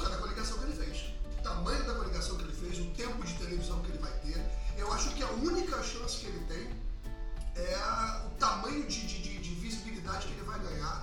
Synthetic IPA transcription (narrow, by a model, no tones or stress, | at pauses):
kɐd̪ɐkoliɡasɐ̃w̃kelɪfejs | ʊt̪ɐmɐ̃jʊd̪ɐkõliɡasɐ̃w̃kelɪfejzʊt̪ẽmpʊd͡ʒɪt̪elevizɐ̃w̃kɪelɪvajt̪eɾewaʃʊkɪɐũnikɐʃɐ̃sɪ̥kɪelɪt̪ẽj̃ | ɛɐʊt̪amɐ̃ɲʊd͡ʒɪd͡ʒɪd͡ʒɪd͡ʒɪvizibilid̪ad͡ʒɪkɪelɪvajɡɐ̃ɲaɾ